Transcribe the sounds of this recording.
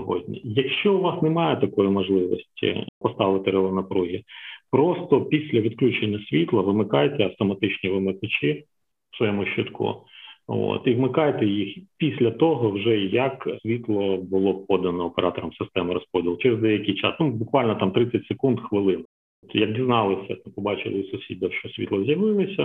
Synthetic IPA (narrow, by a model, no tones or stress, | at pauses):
ɦɔ̰dʲnʲḭjɐkʃt͡ʃɔʊʋɑsnemɑjɛt̪ɐkɔjimɔʒlˠɪʋɔ̰sʲtʲḭpɔst̪ɑʋˠɪt̪ɪɾelˠɐrnɐpɾuɦʲipɾɔst̪ɔpʲisʲlʲɐʋʲid̪klʲut͡ʃenʲːɐsʲʋʲit̪lˠɐʋɪmɪkɑjt̪ɛɐft̪ɔmɐt̪ɪt͡ʃnʲiʋɪmɪkɐt͡ʃi̥ | sʋɔjɛmʊʃɔt̪kʰṵo̰t̪iʋmɪkɑjt̪ɛjixpʲisʲlʲɐt̪ɔɦɔwʒɛjɐksʲʋʲit̪lˠɔbʊlˠɔp̚ɔd̪ɐnɔːpeɾɑt̪ɔɾɔmsɪst̪ɛmɪɾɔspɔdʲilˠt͡ʃɛɾezd̪ɛjɐkʲijt͡ʃɑ̰snubʊkʋɑlʲnɔt̪ɑmt̪ɾɪt͡sʲːɐtʲsekund̪xʋɪlˠɪn | t̪jɐk̚dʲiznɑlˠɪsʲɐpɔbɑt͡ʃɪ̰lˠɪsʊsʲid̪̚ʲd̪ɛwʃɔsʲʋʲḭt̪lˠɐzʲjɐʋɪlˠɪsʲɐ